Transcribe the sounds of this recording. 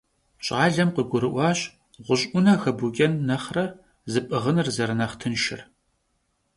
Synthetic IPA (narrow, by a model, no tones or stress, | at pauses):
ɕʼaːɮɐmqəɡʷʊɾɨʔʷɑːɕ | ʁʷʊɕʼʔʷʊnɐxɐbukʲʼɐnːɐχrɐ | zɨpʼɨʁənɨrzɐɾɨnɐχtʰɨnʃɪ̰r